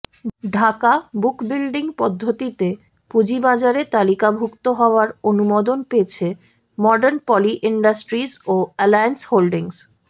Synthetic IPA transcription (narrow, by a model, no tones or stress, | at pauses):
ɖʱakabukbilɖiŋpɔd̪ʱːot̪it̪e | pud͡ʑibad͡ʑaɾet̪alikabʱukt̪oɦɔoaɾonumod̪onpeet͡ɕʰe | mɔɖaɾnpɔliʔiɳɖasʈɾisoɛlajensholɖiŋs